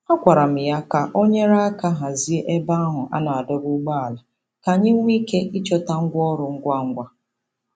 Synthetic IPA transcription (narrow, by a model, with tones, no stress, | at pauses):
a˦kʷa˨ɾa˨m̩˨ja˦ka˨ʔo˦ɲe˦ɾa˦a˦ka˦ɦa˨zi˦e˦ʔe˦ba˦a˦ɦʊ˨ʔa̰˦na˨a˨dʊ˦ɾu˦ɡ͡ba˦a˨la˨ | ka˨ɲɪ˦ŋ̩˦ŋʷi˦ke˦i˦t͡ʃɔ˦ta˦ŋ̩˦ɡʷɔ˦ɾʊ˨ŋ̩˦ɡʷa˦ŋ̩˦ɡʷa˦